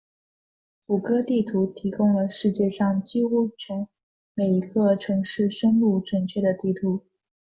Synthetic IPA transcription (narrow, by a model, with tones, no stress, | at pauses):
u˨˩kɤ˥t̪i˥˩t̪ʰu˧˥t̪ʰi˧˥kʊ˥ŋlə˨ʂɻ̩˥˧t͡ɕjɛ˥˧ʂɑ˥˧ŋt͡ɕi˥u˥˩t͡ɕʰɛ˧˥n | me˨˩ɪi˧˥ɡə˧ʈ͡ʂʰɤ˧˥ŋʂɻ̩˥˩ʂə˥nlu˥˩ʈ͡ʂwə˨˩nt͡ɕʰɥɛ˥˩d̪ə˩t̪i˥˩t̪ʰu˧˥